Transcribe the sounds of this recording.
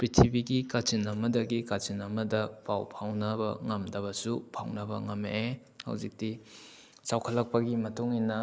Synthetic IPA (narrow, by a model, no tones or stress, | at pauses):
pɾitʰibiɡikat͡ʃinɐmɐdɐɡikat͡ʃinɐmɐdɐpawpʰawnɐbɐ̰ŋɐmdɐbɐsupʰa̰wnɐbɐ̰ŋɐmee | hɐ̰wzik̚ti | sawkʰɐlːɐk̚pɐɡimɐtuŋinːɐ